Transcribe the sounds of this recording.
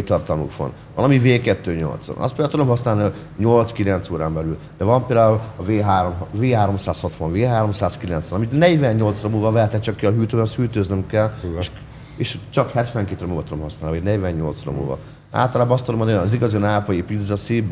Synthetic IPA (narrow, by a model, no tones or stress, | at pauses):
eːt̪ːɒrt̪ɒlmṵkʋɒ̰n | vɒlɒmiveːkɛt̪ːøːɲo̰lt̪sɒ̰nɒ̰st̪peld̪aːt̪ud̪omɦɒsnaːlnio | ɲolt̪skilɛnt̪soːɾaːmbɛlyl | d̪̥ɛvɒmpeːld̪aːulɒveːɦaːɾomɦveːɦaːɾo̞msaːshɒt̪ʋɒɱveːɦaːɾo̞msaːskilɛnt̪sʋɛnɒmit̪nɛɟvɛɲːo̞lt̪sromuvɒvɛt̪ɛt͡ʃɒkːiɒɦyːt̪øshyːt̪øznømkɛlʃ | eːʃt͡ʃɒkhɛt̪ʋɛŋkeːt̪ːromuːvɒt̪ud̪omɦɒsnaːliodnɛɟʋɛɲːo̞̰lt̪sro̰mṵvɒ̰ | a̰ːlt̪ɒlaːbɒst̪od̪omnːiziɡɒzinaːpɒjipid̪zɒsi